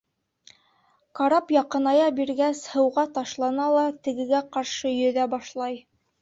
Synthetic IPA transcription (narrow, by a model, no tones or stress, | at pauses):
kɑɾɑpjɑqɤ̆nɑjɑbiɾɡæshɤ̆wʁɑt̪ɑʃlˠɑnɑlˠɑt̪ɘ̆ɡɘ̆ɡæqɑɾʃɤjɵ̆ðæbɑʃlˠɑj